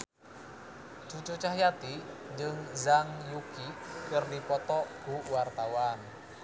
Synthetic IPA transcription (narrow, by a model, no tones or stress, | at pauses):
t͡ʃut͡ʃut͡ʃaɦjat̪i | ɲd͡ʒəŋzaŋjukikərdipɔt̪ɔɡ̥uwart̪awan